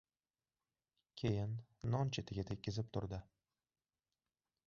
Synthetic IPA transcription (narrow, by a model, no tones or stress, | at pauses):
kʲʰejɪnːɒnt͡ʃʰet̪ʰɪɡʲat̪ʰekʲːɪzɪp̚t̪ʰʊɾd̪ɪ